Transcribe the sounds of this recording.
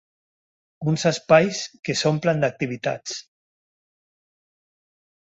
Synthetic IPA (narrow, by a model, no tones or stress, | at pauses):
unzaspajskesompland̪ak̚t̪iβit̪a̰t͡s